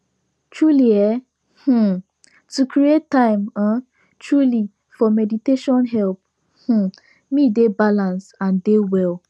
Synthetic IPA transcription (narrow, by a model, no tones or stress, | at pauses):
tɹuliɛ | h̩ | tukɾiettːãɪ̃mã | tɹuli | fɔmɛditeʃɔ̃nɦɛlp̚ | h̩ | midebalãnsãndewɛl